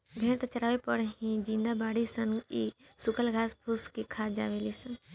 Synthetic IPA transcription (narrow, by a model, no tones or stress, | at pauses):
bʱeːɳt̪t͡ʃəɾaːʋepəɽɦĩd͡ʒĩːnd̪abaːɽisəniːsʊkəlɡʱaːspʰuskikʰaːd͡ʒa̰ːʋeːlisə̃n